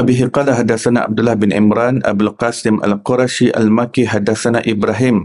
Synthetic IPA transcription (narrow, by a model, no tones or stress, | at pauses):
abiɦiqalaɦadasanaʔa̰b̚dulahbɪnḭmɾana̰bulqasɪma̰lqoɾaʃiʔa̰lmakiɦadasanaʔibɾaɦɪm